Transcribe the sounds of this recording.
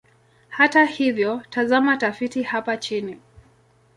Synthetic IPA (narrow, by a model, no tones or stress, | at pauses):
hatahivjɔtazamatafitihapat͡ʃini